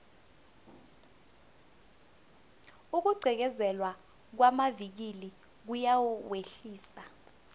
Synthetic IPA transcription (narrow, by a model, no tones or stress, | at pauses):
uk̬uɡ͡ǀʱɛk̬ɛzɛlwa | k̬wamavik̬ili | k̬ujawuweɬiːsa